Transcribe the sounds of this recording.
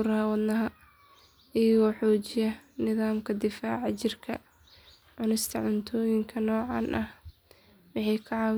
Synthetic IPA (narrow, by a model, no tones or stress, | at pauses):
ʊɾɐhɐwɑd̪nɐɦɐ | ɪjɐɣɔːħɔːt͡ʃɪjɐnɪðaːmkʰɐd̪ɪfaːʕɑt͡ʃɪrkʰɐ | ʕʊnɪst̪ʰɐʕʊnt̪ʰɔːjɪŋkʰɐnɔːʕɑ̰ːnʔɐh | wɑħɑjkʰɐʕɑw